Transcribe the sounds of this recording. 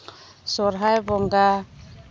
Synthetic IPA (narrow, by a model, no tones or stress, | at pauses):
sɔɾɦajbɔŋɡa